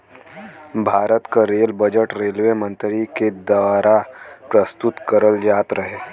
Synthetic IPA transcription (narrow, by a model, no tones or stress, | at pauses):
bʱaːɾət̪kaɾeːlbəd͡ʒəʈɾeːlʋemə̃nt̪ɾiked̪ɐʋaːɾapɾəst̪ʊt̪kəɾəld͡ʒaːt̪ɾəɦeː